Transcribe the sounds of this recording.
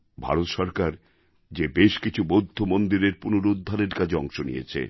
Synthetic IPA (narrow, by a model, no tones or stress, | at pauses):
bʱa̰ɾot̪ʃɔɾkaɾ | d͡ʑebeʃkit͡ɕʰubod̪ʱːomond̪iɾeɾpunoɾud̪ʱːaɾeɾkad͡ʑʰeɔŋʃonḭjḛt͡ɕʰḛ